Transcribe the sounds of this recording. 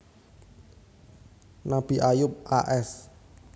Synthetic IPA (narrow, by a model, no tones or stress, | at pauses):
nab̥iʔajʊp̚ʔaʔɛs